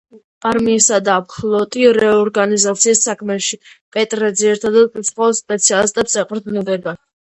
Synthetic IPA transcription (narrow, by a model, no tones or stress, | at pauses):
pʼaɾmiːsad̪apχlˠɔt̪ʼiɾɛɔɾɡanizat̪sʰiːsːakʰmɛʃipʼɛt̪ʼɾɛd̪zɛɛɾt̪ʰad̪ɛlpʼisχɔspʼɛt̪sʰialist̪ʼɛpsɛqʼɾd̪nid̪ɛɡa